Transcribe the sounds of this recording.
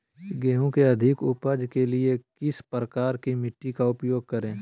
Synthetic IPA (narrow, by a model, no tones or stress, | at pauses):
ɡɛːɦõkeɐd̪ʱɪkʊpəd͡ʒkeliekɪspɾəkaːɾkimɪʈːikaʊpjoːɡ̚kɐɾẽː